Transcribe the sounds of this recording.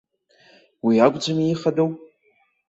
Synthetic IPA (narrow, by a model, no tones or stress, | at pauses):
wiaɡʷʼd͡ʒʷamiiχadowpʼ